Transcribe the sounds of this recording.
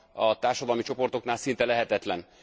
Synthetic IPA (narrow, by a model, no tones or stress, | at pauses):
ɒt̪aːrʃɒd̪ɒlmit͡ʃo̞po̞rt̪o̞knaːlsint̪ɛlɛɦɛt̪ɛt̪lɛn